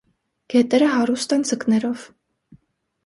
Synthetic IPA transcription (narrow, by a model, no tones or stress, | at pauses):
ɡ̥ɛt̪ɛɾəɦɑɾust̪ɛnd͡zəknɛɾɔv̥